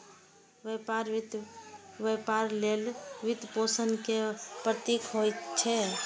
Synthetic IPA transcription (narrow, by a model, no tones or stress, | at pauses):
ʋepaɾt̪ʋepaɾlelʋid̪posənkepɾət̪ikɦojt͡ʃʰɛ